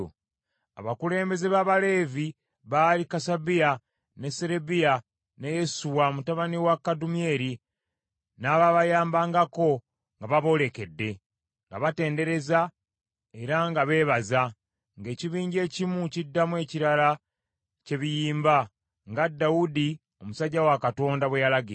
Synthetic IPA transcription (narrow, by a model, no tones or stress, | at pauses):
a̰βakule̞ːmbe̞ze̞βaːβale̞ːvi | βaːlikasabija | neseɾe̞bija | ne̞je̞suwamutaβaniwakːadumie̞ːɾi | naβaβajaːmbaːŋɡako̞ | ŋɡaβaβo̞le̞ke̞dːe̞ | ŋɡa̰βate̞ːnde̞ɾe̞za | e̞ɾaŋɡaβe̞βaza | ŋɡe̞ːciβiːɲɟe̞ːcimucidːamwe̞ːciɾala | ce̞βijiːmba | ŋɡadːaudi | o̞musaɟːawakato̞ːndaβwejalaɡie